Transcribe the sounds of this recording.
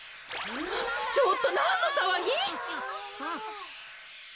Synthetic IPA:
t͡ɕot̪ːonanːosaβaɡʲĩ

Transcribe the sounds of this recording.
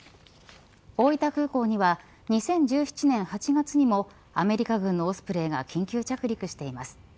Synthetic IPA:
o̞ːit̪akɯ̟ːko̞ːɲ̟iβa | ɲ̟isẽ̞ɲ̟d͡ʑɨːçi̥t͡ɕinẽ̞ɰ̃hat͡ɕiɡat͡sɨɲ̟imo̞ | ame̞ɾʲikaɡɯ̟̃nːo̞ːsɨ̥pɯ̟ɾe̞ːɡa̰kʲĩŋkʲɨːt͡ɕakɯ̟ɾʲikɯ̟ɕi̥t̪e̞imasɨ̥

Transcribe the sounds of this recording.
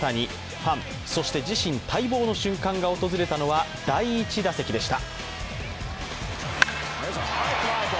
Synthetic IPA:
t̪aɲ̟i | ɸãɰ̃ | so̞ɕi̥t̪e̞d͡ʑiɕĩnt̪ʰaibo̞ːno̞ɕɨ̃ŋkãŋɡao̞t̪o̞zɨɾe̞t̪ano̞βad̪aiːt͡ɕid̪ase̞kʲid̪e̞ɕi̥t̪a

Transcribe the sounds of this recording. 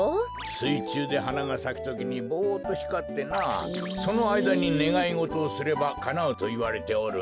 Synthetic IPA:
sɨit͡ɕɨːd̪e̞ɦanaɡasakʲi̥t̪o̞kʲiɲ̟ibo̞ːt̪ːo̞çi̥kat̪ːe̞naː | so̞no̞aid̪aɲ̟ine̞ɡaiŋo̞t̪o̞ːsɨɾe̞bakanaot̪o̞iβaɾe̞t̪e̞oɾɯ̟

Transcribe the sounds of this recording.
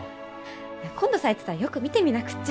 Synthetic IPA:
jekʰõ̞nd̪o̞saet̪e̥t̪aɾjo̞kɯ̟mʲit̪e̞mʲinakɯ̥t͡ɕː

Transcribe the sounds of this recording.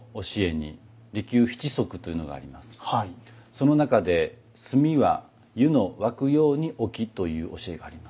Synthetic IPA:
o̞ɕie̞ɲ̟ḭ | ɾʲikʲɨːçi̥t͡ɕiso̞kɯ̟̥t̪ːo̞jɯ̟no̞ɡa̰ːɾʲimasɨ̥hso̞no̞nakad̪e̞ | sɨmʲiβa̰ | jɯ̟no̞βakɯ̟jo̞ːɲ̟iʔo̞kʲit̪o̞jɯ̟ːʔo̞ɕie̞ɡaːɾʲimas

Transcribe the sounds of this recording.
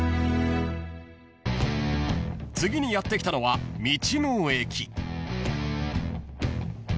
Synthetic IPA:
t͡sɨɡʲiɲ̟ijat̪ːe̞kʲi̥t̪ano̞βamʲit͡ɕimɯːe̞kʲi

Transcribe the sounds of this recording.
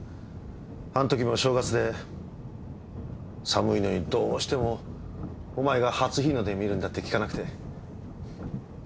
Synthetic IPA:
ãnt̪o̞kʲimo̞ɕo̞ːɡat͡sɨd̪e̞ | samɯ̟ino̞ɲ̟id̪oːɕi̥t̪e̞mo̞ː | maeɡahat͡sɨçʲino̞d̪e̞mʲiɾɯ̃nd̪at̪ːe̞kʲi̥kanakɯ̟t̪e̞

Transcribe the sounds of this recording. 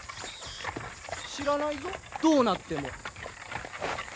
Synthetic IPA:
ɕiɾanait̪od̪̥o̞ːnat̪ːe̞mo̞̰

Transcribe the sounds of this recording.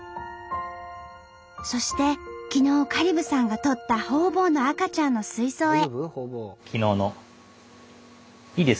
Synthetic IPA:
so̞ɕi̥t̪e̞kʲino̞ːkaɾʲibɯ̟sãŋɡat̪o̞t̪ːaho̞ːbo̞ːno̞akat͡ɕãnːo̞sɨiso̞ːe̞ | kʲʰinoːno | iːd̪es

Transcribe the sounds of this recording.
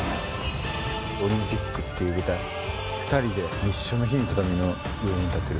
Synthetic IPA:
o̞ɾʲĩmpʲikːɯ̟t̪ːe̞jɯ̟ɡɯ̟t̪ai | ɸɯ̥t̪aɾʲid̪e̞ɲiɕːonoçiɲit̪ot̪ameno | joiɲit̪at̪ːe̞ɾɯ

